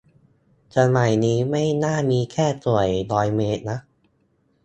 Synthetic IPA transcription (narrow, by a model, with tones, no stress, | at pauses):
t͡ɕo˧nma˨˩jniː˦˥ma˥˩jnaː˥˩miː˧kʰɛː˥˩t̪u˨˩əjlɔː˦˥jmeː˦˥t̪̚na˦˥ʔ̚